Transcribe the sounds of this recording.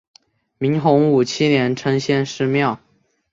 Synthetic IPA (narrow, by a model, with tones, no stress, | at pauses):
mi˧˥ŋxʊ˧˥ŋu˨˩t͡ɕʰi˥njɛ˧˥nʈ͡ʂʰɤ˥ŋɕjɛ˥˧nʂɻ̩˥˧mjɑ˥˩ʊ